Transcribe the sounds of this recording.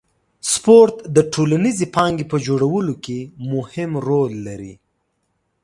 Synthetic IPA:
spoɾt̪d̪əʈʰolanizipɑŋɡipəd͡ʒoɽawəlokemʊhɪmɾolːaɾḭ

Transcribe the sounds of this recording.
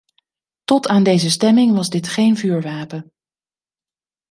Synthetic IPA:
tɔtaːndejzəstɛmɪŋʋɑzdɪtχejnvyːɹʋaːpən

